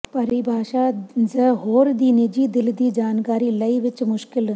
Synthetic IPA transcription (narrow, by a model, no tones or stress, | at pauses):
pɐɾibʱaːʃaːzəɦoːɾd̪iːnid͡ʒiːd̪ɪld̪iːd͡ʒaːnkaːɾiːlɐiʋɪt͡ʃmʊʃkɪl